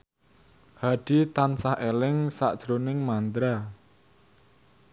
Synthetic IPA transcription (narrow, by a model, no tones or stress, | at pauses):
haɖ̥i̤t̪ansahelɪŋsa̰ʔd̥ʒ̥ɾonɪŋmant̪ɾa